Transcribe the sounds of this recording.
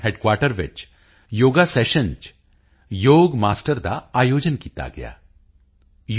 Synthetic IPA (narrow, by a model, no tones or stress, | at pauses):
ɦeːɖkwaːɾʈəɾʋɪ̰t͡ʃ | joːɡaseːʃə̃nd͡ʒ | joːɡmaːsʈəɾd̪a̰aːjoːd͡ʒənkiːt̪a̰ɡɐ̰ja̰ː | j